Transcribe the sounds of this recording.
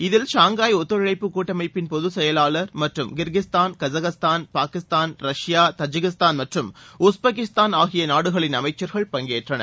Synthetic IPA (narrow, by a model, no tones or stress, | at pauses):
ɪðɪlʃaːŋɡaːjɔt̪ːɔɾɪɻɐɪpːɯkːuːʈːɐmɐɪpːɪnpɔðɯsɛjɐlaːlɐɾmɐʈrɯmɡɪɾɣɪst̪aːnkɐzɐɣɐst̪aːnpaːkɪst̪aːnɾɐʂjaːt̪ɐd͡ʒɪɣɪst̪aːnmɐʈrɯmʊsbɐk̬ɪst̪aːnaːɣɪjɐnaːɽɯɣɐɭɪnɐmɐɪt͡ʃːɐɾɣɐɭpɐŋɡeːʈrɐnɐ̰